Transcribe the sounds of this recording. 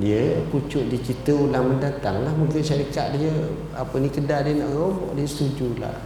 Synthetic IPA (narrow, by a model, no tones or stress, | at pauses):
diəput͡ʃʊʔ̚dit͡ʃit̪əulaŋməndat̪aŋlahməŋkəʔʃaɾika̰ʔ̪̚diə | apənĩkədaʔdiəna̰ʔɣomɔ̰ʔdiəsət̪ud͡ʒula̰h